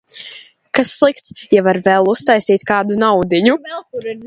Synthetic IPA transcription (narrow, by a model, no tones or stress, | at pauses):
kasːlˠik̚t̪sjavaɾvɛlˠust̪ajsiːt̪̚kaːd̪unawd̪iɲu